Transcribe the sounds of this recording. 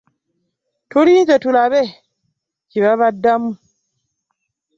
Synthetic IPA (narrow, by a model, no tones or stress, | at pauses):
tʰoɾid͡ʒatulabɛ | t͡ʃibaβadːamu